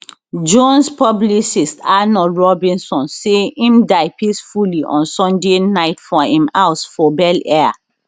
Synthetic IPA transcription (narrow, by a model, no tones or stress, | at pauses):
d͡ʒõnspɔblisistanɔlɹɔbĩnsɔ̃nseĩmdaɪpʰisfuliʔɔ̰̃nsɔ̃ndenaɪtfɔhĩmaʊsfɔbɛlɛa